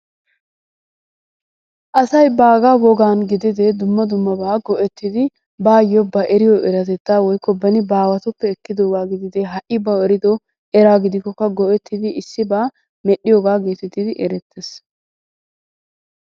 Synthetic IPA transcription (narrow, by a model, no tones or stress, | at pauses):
ʔɐsɐjbaːɡaːwɔɡaːnɡɪd̪ɪd̪ɛd̪ʊmːɐd̪ʊmːɐbaːɡɔʔɛt̪ːɪd̪ɪ | baːjɔbɐʔɛɾɪjɔʔɛɾɐt̪ɛt̪ːaːwɔjkːɔbɐnɪbaːwɐt̪ʊpːɛːkːɪd̪oːɡaːɡɪd̪ɪd̪ɛɦɐʔɪbɐɛɾɪd̪ɔ | ɛɾaːɡɪd̪ɪkːɔkːɐɡɔʔɛt̪ːɪd̪ɪɪsːɪbaː | mɛɗːɪjoːɡaːɡeːt̪ɛt̪ːɪd̪ɪʔɛɾɛt̪ʰːes